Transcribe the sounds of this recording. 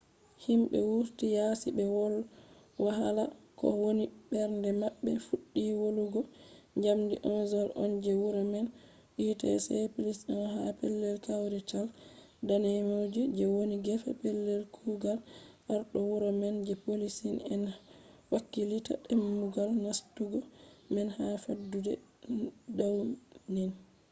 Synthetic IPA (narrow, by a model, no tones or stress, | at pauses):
himɓɛ̰wuɾtijasibɛwɔl | waɦalakɔ̰wonibɛɾndɛmaɓːɛfuɗːiwoluɡɔɲd͡ʒamdiʔɔnzɔlɔ̰nd͡ʒɛwuɾɔmɛn | ɗiːta̰sɛpilisɛnɦapɛlːɛlkawɾɛt͡ʃal | danɛmod͡ʒɛd͡ʒɛwoniɡɛfa̰pɛlːɛlkʰuɡalʔaɾɗɔwuɾɔmɛnd͡ʒɛpolisinɛnwakːilita̰ɗɛmːuɡalnastuɡɔmɛnhafadːudɛ | dawnin